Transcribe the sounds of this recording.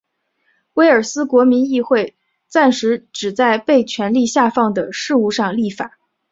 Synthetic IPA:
we˧˥ɪə˞˨˩sɹ̩˥kwɔ˧˥mi˧˥ni˥˧xwe˥˧ɪ | t͡sa˥˩nʂɻ̩˧˥ʈ͡ʂɻ̩˨˩t͡sa˥˧ɪpe˥˩ɪt͡ɕʰɥɛ˧˥nli˥˧ɕja˥˧fɑ˥˩ŋd̪ə˩ʂɻ̩˥˧u˥˧ʂɑ˥˧ŋli˥˩fa˨˩˦

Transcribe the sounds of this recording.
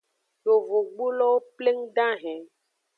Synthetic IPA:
jo˨vo˨ɡ͡bu˦lɔ˦wo˦ple˦ŋ˦ɖã˦ɦɛ̃˨

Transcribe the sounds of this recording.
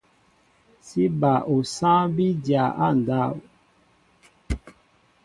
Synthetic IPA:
si˦ba˨ʔo˨sã˦bi˦dja˨ʔa̰˦˨n˨da˦˨u˨

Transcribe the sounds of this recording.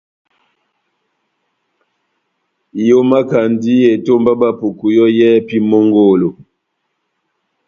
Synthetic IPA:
jo˦ma˦ka˨ndi˦je˨to˦mba˦ba˦˨pu˨ku˨jɔ˦jɛ˦pi˦mo˦ŋɡo˦˨lo˨

